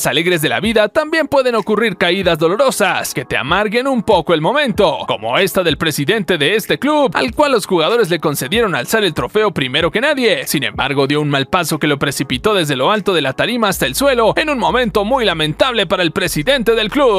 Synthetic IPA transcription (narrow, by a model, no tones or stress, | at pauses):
sale̞ɣɾe̞zðe̞la̰βiðat̪ambje̞mpwe̞ðe̞no̞kuriɾkaiðazðo̞lo̞ɾo̞saske̞t̪ea̰maɾɣe̞numpo̞ko̞e̞lmo̞mẽ̞nt̪o̞ko̞mo̞̰e̞st̪aðe̞lpɾe̞siðe̞nt̪e̞ðe̞est̪e̞kluba̰lkwalːo̞sxuɣaðo̞ɾe̞zleko̞nse̞ðje̞ɾo̞na̰lsaɾelt̪ɾo̞fe̞o̞pɾime̞ɾo̞ke̞naðjesinẽ̞̰mba̰ɾɣo̞ðjo̞unmalpaso̞ke̞lo̞pɾe̞sipit̪o̞ðe̞zðe̞lo̞alt̪o̞ðe̞lat̪aɾimaːst̪aelswe̞lo̞e̞nunmõ̞mẽ̞nt̪o̞mujlamẽ̞nt̪aβle̞paɾaelpɾe̞siðe̞nt̪e̞ðe̞lklu